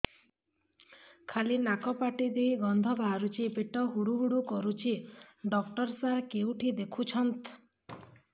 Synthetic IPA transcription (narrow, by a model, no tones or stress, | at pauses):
kʰalinakɔpaʈid̪ejɡɔnd̪ʱɔbʱaɾut͡ʃʰipeʈɔɦuɽuɦuɽukɔɾut͡ʃʰiɖɔkʈɔɾsaɦkeuʈʰid̪ekʰut͡ʃʰɔnt̪